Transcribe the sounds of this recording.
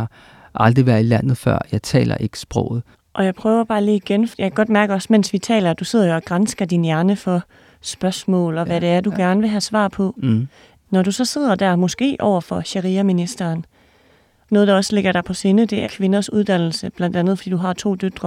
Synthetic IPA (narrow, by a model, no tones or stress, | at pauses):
ʔɑ̈ld̥ʁiʋæɐilæn̰ð̞̩ˠfɶ̰ɐ̰jɑ̈ɪt͡sʰɛ̰ːlɐ̰ʔe̝ɡ̥ə̥sb̥ʁɔʊ̰ð̞̩ˠ | ʔɒ̽jɑ̈ɪpʰʁœːʊɐb̥ɑ̈ːliːiɡ̥enjɑkʰæɡ̥ɒ̽d̥mæɐɡ̥əɒ̽smen̰sʋit͡sʰɛ̰ːlɐd̥use̝ð̞̰ˠɐjoɒ̽ɡ̥ʁɑnsɡ̥ɐd̥injæɐnəfɒ̽ | sb̥ɶɐsmɔ̰̽ːlɒ̽ʋæɾe̝æɐd̥uɡ̥æɐnəʋe̝ɦæsʋɑ̰̈ːpʰɒ̽ | nɒɾusɒ̽se̝ð̞̰ˠɐd̥æɐmɒ̽sɡ̥e̝̰ːʔɒʊ̰ɐfɒ̽ɕeʁiːɐminisd̥ɐːn | nɔ̽ːð̞̩ˠdɑ̈ɒ̽sle̝ɡ̥ɐɾ̥ɑ̈pʰɒ̽senəd̥e̝ʔæɐkʰʋe̝nɐsuð̞ˠd̥æn̰l̩səb̥læn̰d̥ænðˠfd̥ḭːd̥uɦɑ̈t͡sʰo̝̰ːd̥ød̥ʁɐ